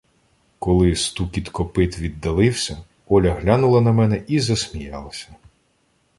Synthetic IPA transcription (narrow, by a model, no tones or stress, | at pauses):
kɔlˠɪst̪ukʲit̪kɔpɪt̪ʋʲid̪ːɐlˠɪwsʲɐ | ɔlʲɐɦlʲɑnʊlˠɐnɐmɛnɛʔizɐsʲmʲijɑlˠɐsʲɐ̥